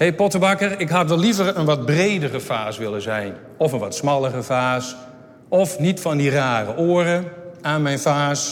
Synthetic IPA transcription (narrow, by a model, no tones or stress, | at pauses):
hejpɔtəʋakərɪkɦatʋɛlːivərənʋɔt̚brejdərəfaːsʋɪlənzɛjn | ɔfənʋɔtsmɑlˠərəfaːs | ɔfnitfɔndiraːrəʔoːərəaːnmɛjnfaːs